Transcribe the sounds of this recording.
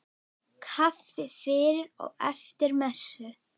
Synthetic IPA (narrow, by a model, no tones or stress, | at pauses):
kʰafɪfɪːɾɪɾɔ̰ɣɛft̪ɪɾmɛsʏ